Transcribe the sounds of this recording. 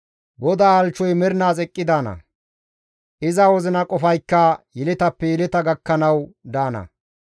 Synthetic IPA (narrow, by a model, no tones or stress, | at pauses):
ɡɔd̪aːɐlt͡ʃːɔjmɛɾnaːsʼɛkʼːɪd̪aːnɐ̰ | ʔɪzɐwɔzɪnɐkʼɔfɐjkːɐjɛlɪt̪ɐpːɛjɛlɛt̪ɐɡɐkːɐnɐwd̪aːnɐ̰